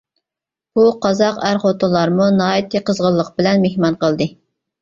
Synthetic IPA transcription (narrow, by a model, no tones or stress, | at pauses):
buqʰɑzɑqæɾχot̪ʰɨlˠɑɾmunɑːjit̪ʰɨqʰəzʁəlˠːəq̚bɪlɛnmehmɑnqəlˠd̪ɨ